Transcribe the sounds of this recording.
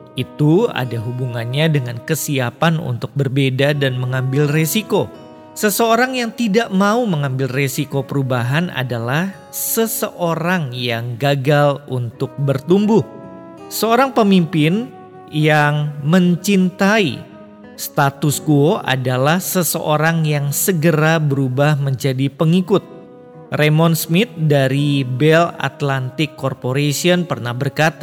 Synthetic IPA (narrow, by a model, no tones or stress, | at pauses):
ʔit̪ua̰daɦubuŋanɲadəŋankəsiapanṵnt̪ʊk̚bərbedadanməŋambɪlresiko | səsəoɾaŋjaŋt̪idaʔmauməŋambɪlresikopəɾubaɦana̰dalah | səsəʔoɾaŋjaŋɡaɡalṵnt̪ʊk̚bərt̪umbʊh | səoɾaŋpəmimpɪn | jaŋməɲt͡ʃint̪aḭ | st̪at̪uskuoʔa̰dalahsəsəʔoɾaŋjaŋsəɡəɾabəɾubahməɲd͡ʒadipəŋikʊt̪̚ | remɔnsmɪt̪̚daɾibɛla̰t̪lant̪ɪkːɔrpoɾesiənpərnahbərkat̪a